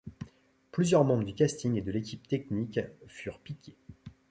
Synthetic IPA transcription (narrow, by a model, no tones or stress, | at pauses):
plyzjœʁmɑ̃bʁəd̪ykʲast̪iŋed̪əlekʲʰip̚t̪ɛknikfyʁpikʲʰe